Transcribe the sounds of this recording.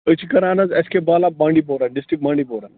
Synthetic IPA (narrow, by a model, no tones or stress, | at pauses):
ət͡ɕikəɾanad͡zɛskebalabãɳɖiːbowɾanɖisʈɾik̚bãɳɖipowɾan